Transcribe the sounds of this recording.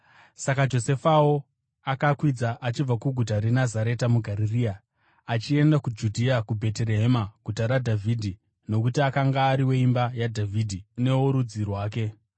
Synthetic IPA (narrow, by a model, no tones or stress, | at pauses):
sakad͡ʒo̞se̞fawo̞ | akakwid͡zaʔat͡ʃib͡vakuɡʱut̬aɾenazaɾe̞tamuɡʱaɾiriːa | at͡ʃie̞ndakud͡ʒudʱiakubʱe̞teɾe̞ɦemaɡʱutaɾadʱavʱidʱi | no̞kutiakaŋɡaːɾiwe̞imbajadʱavʱidʱine̞oɾud͡zirwaːke̞